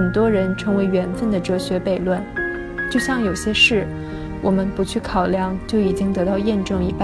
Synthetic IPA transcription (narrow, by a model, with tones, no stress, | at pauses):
ə˨˩nt̪wɔ˥ɻə˧˥nʈ͡ʂʰɤ˧˥ŋwe˧˥ɪɥɛ˧˥nfə˥˩nd̪ə˩ʈ͡ʂɤ˧˥ɕɥɛ˧˥pe˨˩ɪlwə˥˩n | t͡ɕjo˥˧ʊɕjɑ˥˩ŋjo˨˩ʊɕjɛ˥ʂɻ̩˥˩ | wʔɔ˨˩mə˦npu˧˥t͡ɕʰy˥˩kʰɑ˨˩ʊljɑ˥˧ŋt͡ɕjo˥˩ʊi˨˩t͡ɕi˥ŋt̪ɤ˧˥t̪ɑ˥˧ʊjɛ˥˧nʈ͡ʂɤ˥˩ŋi˧˥pa˥˩